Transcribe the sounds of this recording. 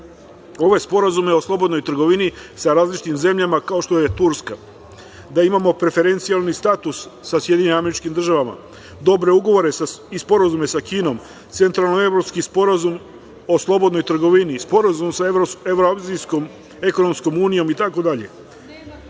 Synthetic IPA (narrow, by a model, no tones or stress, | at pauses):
o̞ʋoespo̞ɾazumeo̞slˠo̞bo̞d̪no̞jt̪ɾ̩ɡo̞ʋinisaɾaːzlit͡ʃi̥t̪imze̞mʎamakao̞ʃt̪o̞jet̪uɾska | d̪aimamo̞pɾe̞fe̞ɾe̞nt̪sijalnist̪at̪usːasje̞d̪jiɲeimame̞ɾit͡ʃkimd̪ɾr̩ʒaʋama̰ | d̪o̞bɾe̞uɡo̞ʋo̞ɾe̞saispo̞ɾazume̞sakiːno̞m | t̪se̞nt̪ɾalnoe̞ʋɾopskispoɾazum | o̞slˠo̞bo̞d̪no̞jt̪ɾ̩ɡo̞ʋinispo̞ɾazumsaoeʋɾoaziskom | e̞ko̞no̞msko̞muːnijo̞mit̪ako̞d̪aʎe̞̰